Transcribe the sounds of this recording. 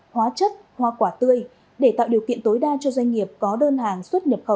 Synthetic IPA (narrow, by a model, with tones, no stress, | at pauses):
hwaː˨˦t͡ɕə˦˥t̚ | hwa˨˩kwaː˧˩t̪ɨ˧əj | ɗe˧˩t̪a̰ː˧˨wɗi˨˩əwkḭ˧˨ənt̪o˨˦jɗaː˧t͡ɕɔ˧zwa˧jŋ̟ŋi˨˩əp̚kɔ˨˦ɗəː˧nɦaː˨˩ŋswə˦˥t̚ɲə˨˩p̚xə˧˩w